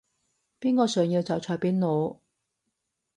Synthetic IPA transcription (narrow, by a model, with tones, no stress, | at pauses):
piː˥nkɔː˧sœː˨˩ŋji˧wt͡sɐ˨˩wt͡sʰɔː˨˥jpiː˥nno˨˧w